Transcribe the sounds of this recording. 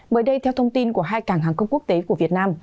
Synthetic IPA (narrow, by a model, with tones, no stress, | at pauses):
ɓəː˧˩jɗə˧jt̪ʰɛ˧wt̪ʰwŋ͡mt̪i˧nku˧˩əɦaː˧jkaː˨˩ŋɦaː˨˩ŋxə˧wŋ͡mku˦˥k̚t̪e˨˦ku˧˩əvi˨˩ət̚naː˧m